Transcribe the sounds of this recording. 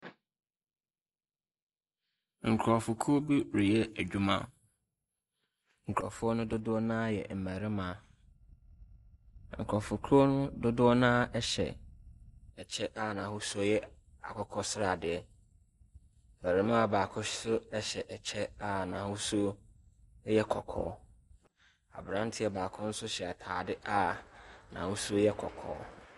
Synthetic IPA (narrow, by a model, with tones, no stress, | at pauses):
ŋ̩˨kʰɾɔ˨fʊ˨kʰu˦o˦bi˦ɾi˨jɛ˦æ˨d͡ʑᶣu˦mã̰˦ | ŋ̩˨kʰɾɔ̰˨fʊ˦ɔ˦nʊ̃˦dʊ˦dʊ˦ɔ˦nãː˦jɛ̰˨m̩˨mæ˨ɾɪ˦mã˨ | ŋ̩˨kʰɔ˨fʊ˨kʰu˦o˦nʊ̃˦dʊ˦dʊ˦ɔ˦nãː˦ɛ˦ɕɛ̰˨ | ɛ˨t͡ɕʰɛ˦ʔa˦˨nã˨hʊ˦su˦o˦jɛ˦ | a̰˨kʰɔ˦kʰɔ˦sɪ˦ɾa˨dɪ˨ɛ˨ | m̩˨mæ˨ɾĩ˦mã˦a˨baː˨kʰʊ̃˦sʊ˦ɛ˦ɕɛ˨ʔɛ˨t͡ɕʰɛ˦a˦nã˨hʊ˦su˦ | jɛ˦kʰɔ˨kʰɔ̰ː˨˦ | a̰˨bɾã˦ntʰɪ˦ɛ˨baː˨kʰʊ̃˦n̩˦sʊ˦ɕɛ˨a˨tʰaː˨dɪ˦ʔa˦nã̰˨hʊ˦su˦o˦jɛ˦kʰɔ̰˨kʰɔ̰ː˨˦